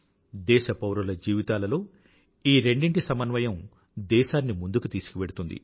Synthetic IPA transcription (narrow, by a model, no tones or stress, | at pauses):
d̪ɛːʃɐpɐwɾulɐd͡ʒiːʋit̪aːlɐlo̞ː | iːɾe̞ɳɖiɳʈisɐmɐnʋɐjɐm | d̪ɛːʃaːnːimund̪ukut̪iːsu̥kuʋe̞ɽut̪und̪ḭ